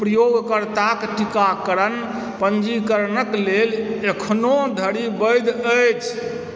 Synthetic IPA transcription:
pɾəjoɡkəɾt̪akʈikakəɾən | pənd͡ʒikəɾnəklelekʰnod̪ʱəɽibəjd̪əjt͡ʃʰ

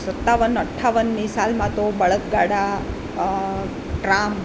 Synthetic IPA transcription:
sɐt̪ːaːʋɐnɐʈʰːaːʋɐnːisaːlmaːt̪obɐɭɐk̚ɡaːɽa | ʈɾaːm

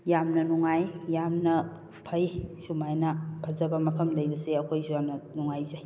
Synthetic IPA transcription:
jamnɐnuŋajjamnɐ | pʰɐjsumajnɐpʰɐzɐbɐmɐpʰɐmlɐjbɐseɐkʰojsujamnɐnuŋajzaj

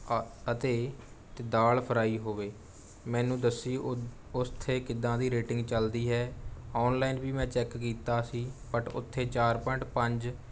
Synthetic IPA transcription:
ət̪eː | t̪ɪd̪aːlpʰəɾaːiːɦoːʋeː | mɛ̃ːnũːd̪əsːiː | ʊst̪ʰːeːkɪd̪ãːd̪iːɾeːʈɪ̃ŋɡt͡ʃəld̪iːɦɛːɔːnlaːinbiːmɛ̃ːt͡ʃɛːkːiːt̪aːsiːpəʈʊ̰t̪ʰːeːt͡ʃaːɾpəɳʈpəɲd͡ʒ

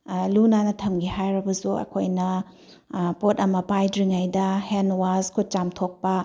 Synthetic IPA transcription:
lunanɐtʰɐmɡihajɾɐbɐsuɐ̰kʰojnɐ | potɐmɐpajdɾiŋajdɐhenwazkʰut̚t͡ʃamtʰok̚pɐ

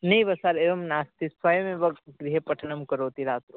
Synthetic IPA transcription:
nɐiʋɐsaːɾeʋɐmnaːst̪isʋɐjɐmeʋɐɡɡɾiɦepɐʈʰɐnɐmkɐɾoːt̪iɾaːt̪ɾo

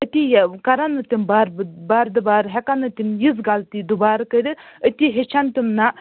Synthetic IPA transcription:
ət̪ʲijkɐɾanɨt̪imbaːɾbbaːɾd̪ɨbaːɾɦɛkanɨt̪imjizɡalt̪id̪ubaːɾkəɾɨət̪ʲiɦet͡ʃʰant̪imna

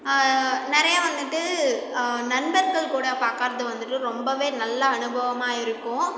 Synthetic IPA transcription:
nɛɾɐjaːʋɐnd̪ɯʈːɯ | nɐnbɐɾɡɐɭkuːɽɐpaːkaːɾt̪ɯʋɐnd̪ɯʈːɯɾɔmbɐʋeːnɐlːɐːnɯbʱɐʋɐmaːɪɾɯkːʊ̃

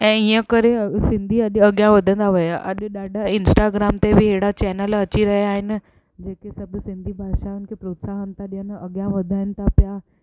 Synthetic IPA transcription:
ɛ̃ːiə̃kəɾesɪ̃nd̪ʱiɐɗɐɠjãʋɐd̪ʱə̃nd̪aʋɐjaʔɐ̰ʄɗaːɖʱaɪnsʈaɡɾaːmt̪ebɪɦeɽat͡ɕɛːnəlɐt͡ɕiɾɐɦijaːɦɪnɪ̆ | d͡ʑeːkesɐbʱsɪ̃nd̪ʱibʱaːʃaʊnkʰepɾoːt̪saɦənɪt̪aɗijənɐɠjãʋɐd̪ʱaːɦɪnɪ̆t̪ʰapja

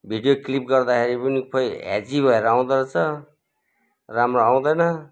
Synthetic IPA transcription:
bʱiɖjoklip̚ɡʌrd̪akʰeɾipʌnipʰʌjɦa̰d͡zibʱʌeɾʌaw̃d̪ʌɾʌt͡sʰʌ | ramroaw̃d̪ʌjnʌ

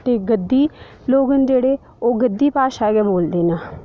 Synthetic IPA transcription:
t̪eːɡəd̪ːiː | loːɡənd͡ʒeːɽeː | oːɡəd̪ːiːpaːʃaːɡɛːboːld̪eːnaː

